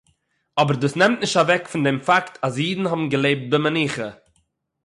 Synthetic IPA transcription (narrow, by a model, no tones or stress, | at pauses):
ɔbəɾduːsnɛmtnɪʃtavɛkfɪndɛmfaktʰas̬jiːdn̩hɔbn̩ɡəlˠeɪp̚t̚bɪməniːχə